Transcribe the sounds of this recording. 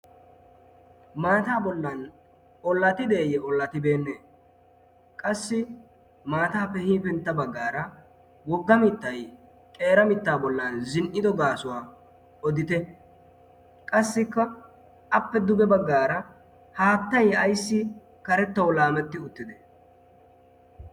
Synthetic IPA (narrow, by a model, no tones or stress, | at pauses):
maːt̪aːbɔlːɐn | ɔlːɐt̪ɪd̪e̞ːjɛʔɔlːɐt̪ɪbe̞ːnːeː | kʼɐsːɪ | maːt̪aːpːɛhiːpɛnt̪ːɐbɐɡːaːɾɐ | wɔɡːɐmɪt̪ːɐj | kʼe̞ːɾɐmɪt̪ːaːbɔlːɐnzɪnʔɪd̪ɔɡaːsʊwaː | ɔd̪ɪt̪ɛ | kʼɐsːɪkːɐ | ʔɐpːɛd̪ʊɡɛbɐɡːaːɾɐ | haːt̪ːɐjɐjsːɪ | kɐɾɛt̪ːɐwlaːmɛt̪ːɪʊt̪ːɪd̪ɛ